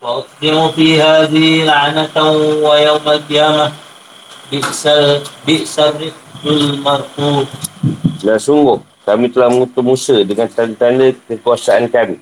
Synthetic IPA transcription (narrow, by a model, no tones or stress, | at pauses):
waʔʊkd̪imufiɦaðilaʔnat̪awajawmalqijaːma | bɪsbɪʔsarɪk̚bɪlmarfuːd | lasuŋɡʊh | kamit̪əlahməŋut̪ʊʔmusədəŋant̪andət̪andəkəkuasaʔankami